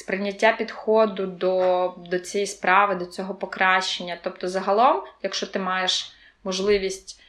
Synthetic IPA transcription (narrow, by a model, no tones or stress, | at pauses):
spɾɪnʲːɐtʲːapʲid̪xɔd̪ʊd̪ɔd̪ɔt͡sʲijispɾɑʋɪd̪ɔt͡sʲɔɦɔpɔkɾɑʃt͡ʃenʲːɐt̪ɔpt̪ɔzɐɦɐlˠɔmjɐkʃt͡ʃɔt̪ɪmɑjeʃ | mɔʒlˠɪʋʲisʲtʲ